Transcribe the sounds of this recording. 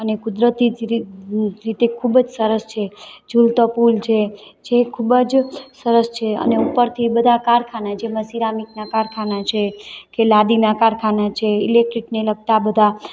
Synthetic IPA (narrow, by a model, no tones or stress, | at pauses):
ənekud̪ɾət̪id͡ʒ | ɾit̪ekʰubəd͡ʒsəɾəst͡ʃʰed͡ʒult̪əpult͡ʃʰed͡ʒekʰubəd͡ʒsəɾəst͡ʃʰeə̰neupəɾt̪ʰibəd̪ʱakaɾkʰanat͡ʃʰeməsiɾamik̚nakaɾkʰanat͡ʃʰekelad̪inakaɾkʰanat͡ʃʰeilek̚ʈɾikneləɡ̚t̪abəd̪ʱa